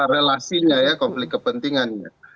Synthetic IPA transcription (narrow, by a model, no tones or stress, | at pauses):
ɾelasiɲajakɔmflɪkːəpənt̪iŋanɲa̰